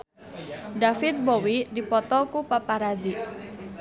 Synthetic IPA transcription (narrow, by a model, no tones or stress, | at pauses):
dafɪt̪̚bɔwidipɔt̪ɔkupapaɾazi